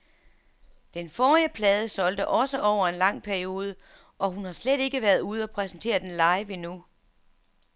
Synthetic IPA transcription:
d̥enfɒːiəpʰlɛːð̞ˠəsɒ̽l̰d̥əʔɒ̽səʔɒʊ̰ɐe̝nlɑ̈ŋ̰pʰæɐio̝ːð̞ˠə | ʔɒ̽ɦunhɑ̈sleɾ̥e̝ɡ̥əʋæɐðˠuð̞̩ˠɒpʰʁɛsn̩t͡sʰe̝̰ːɐd̥enlɑ̈ɪʋe̝nu

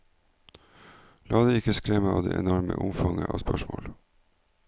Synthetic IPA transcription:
lʔɑːd̪eɪkəskɾɛməɑːʋd̪eːʔɛnɔɾməʔʊmfɑŋəʔɑːʋspœʃmo̰ːl

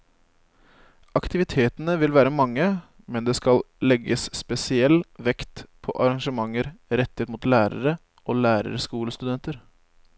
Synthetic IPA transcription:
ɑkt̪ɪʋɪt̪ʰeːt̪ənəʋɪlʋæːɾəmɑŋːə | mɛnd̪eːskɑl | lɛɡəsːpɛsɪɛlʋɛkt̪pʰɔʔɑɾɑŋʂəmɑŋːəɾɾɛt̪ːɪhet̪mʊːt̪læːɾə̰ɾə | ʔoːlæːɾə̰ɾəskuːləst̪ʉd̪ɛnt̪əɾ

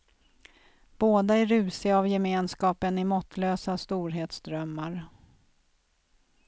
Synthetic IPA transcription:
b̥oːd̪aæɾʉ̟ːsɪavjɛmeːnskɑːpənɪmɔt̪ʰːløːsast̪uːɾɦeːt̪sd̪ɾœmːaɾ

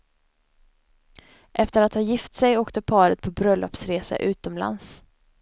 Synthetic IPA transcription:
ʔɛft̪əɾat̪hɑːjɪft̪sɛjoːkt̪əpʰɑːɾət̪̚pʰɔbɾœlːɔpsɾeːsa̰ʔʉ̟ːt̪ɔmla̰ns

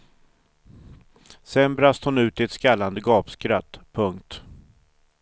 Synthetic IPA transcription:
sɛnbɾast̪əhʊnʉ̟ːt̪ɪɛt̪skalːand̪əɡɑːpskɾat̪ːpʰɵŋkt̪

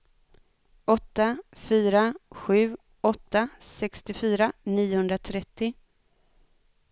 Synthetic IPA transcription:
ɔt̪ːafyːɾaɧʉ̟ː | ɔt̪ːasɛkst̪ɪfyːɾaniːʊhɵnd̪ɾat̪ʰɾɛt̪ːɪ

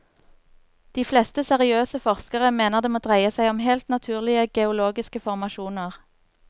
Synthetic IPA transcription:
d̪̥iːflɛst̪əsɛʁɪøːsəfɔʁskəʁəmeːnəʁd̪eːmoːd̪ʁæɪəsæɪɔmhelt̪nɑt̪ʰʉːʁlɪəɡɛʊloːɡɪskəfɔʁmɑʃuːnəʁ

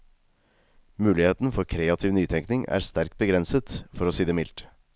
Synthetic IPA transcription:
mʉːlɪheːt̪n̩fɔɾkʰɾeːɑt̪ʰɪʋnyːt̪ʰɛŋknɪŋæ̰ːɾst̪æɾk̚t̪̚bəɡɾɛnsət̪fɔɾoːsiːd̪ɛmɪlt̪

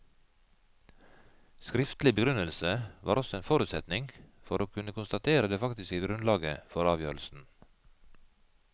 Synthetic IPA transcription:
skɾɪft̪lɪbəɡɾʉnəlsəʋɑ̰ːɾɔsɔeːnfoːɾʉt̪sɛt̪nɪŋfɔɾʔoːkʰʉnəkʰʊnst̪ɑt̪ʰeːɾəd̪eːfɑkt̪ɪskəɡɾʉnlɑːɡəfɔɾɑːʋjøːɾl̩sn̩

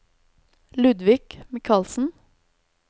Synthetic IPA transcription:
lʉd̪ʋɪkmɪkʰɑlsn̩

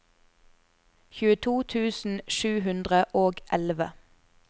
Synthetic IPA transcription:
çʉːət̪ʰuːt̪ʰʉːsn̩ʃʉːɦʉnd̪ʁəʔoːɡʔɛlʋə̰

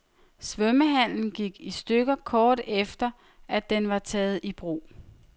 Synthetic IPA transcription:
sʋœməɦæn̰ln̩ɡ̥iɡ̥isd̥øɡ̥ɐkʰɒːd̥efd̥ɐ | ʔæd̥enʋɑ̈t͡sʰɛːð̞̩ˠib̥ʁo̝̰ː

